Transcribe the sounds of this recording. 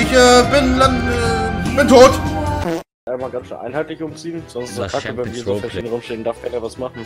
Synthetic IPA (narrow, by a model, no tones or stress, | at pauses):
ɪçʔɛːbɪndanɛb̥ɪntʰoːt | amaːlɡansʃø̰ːnʔa̰ɪnhaɪtlɪçʔʊmt͡siːənz̥ɔnstɪsʰakəvɛnviːɐzoanʁʊmʃteːəndaɐfɡanəvasmaχn̩